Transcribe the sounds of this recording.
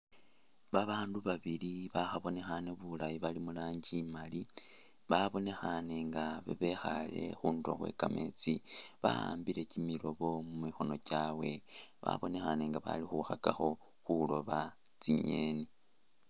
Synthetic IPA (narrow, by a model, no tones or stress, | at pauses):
βaβaːnduβaβiliβaxaβo̞ne̞xane̞βulajiβalimulaːɲɟimali | βaβo̞ne̞xane̞ŋɡaβḛβe̞xale̞̰xuːndo̰xwḛkame̞̰t͡siβaa̰ːmbile̞cimilo̞βo̞mumixo̞no̞caːwe̞βa̰βo̞ne̞xane̞ŋɡaβa̰lixuxakaxo̞ | xulo̞βa | t͡siɲe̞ːni